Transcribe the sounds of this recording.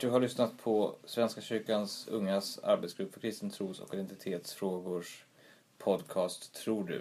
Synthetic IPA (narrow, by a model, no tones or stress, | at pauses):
d̪̥ɵɦaɭʏsnat̪pʰɔsvɛnskaɕʏɾkansɵ̰ŋːasa̰ɾbet̪sɡɾɵpːfœɾkʰɾɪst̪ənt̪ʰɾuːsɔ̰kɪd̪ɛnt̪ɪt̪ʰeːt̪sfɾoːɡʊʂ | pʰɔd̪kʰɑːst̪ʰːɾuːɖɵ̰